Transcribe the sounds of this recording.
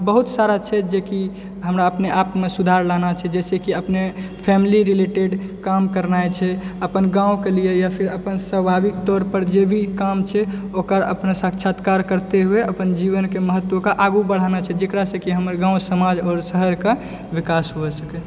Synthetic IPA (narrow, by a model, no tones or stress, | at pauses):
bəɦut̪saɾat͡ʃʰɛd͡ʒeki | ɦəmɾaəpneʔapmesud̪ʱaɾlanat͡ʃʰɛd͡ʒɛsekiəpne | pʰɛmiliɾileʈeɖkamkəɾnajt͡ʃʰɛəpənɡãũkelijejapʰiɾəpənsəbʱabikt̪ɔɾpəɾd͡ʒebʱikamt͡ʃʰɛokəɾə̰pnsakt͡ʃʰat̪kaɾkəɾt̪eɦueəpənd͡ʒiβənkeməɦət̪ːwokaʔaɡubəɽ̤anat͡ʃʰɛd͡ʒekɾasə̃kiɦəməɾɡãũsəmad͡ʒɔːɾsəɦəɾke | ʋikasɦoesəkɛ